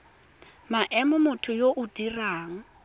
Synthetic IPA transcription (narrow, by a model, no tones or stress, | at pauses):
maʔɛmʊmʊtʰʊjoʔʊd̥iraːŋ̩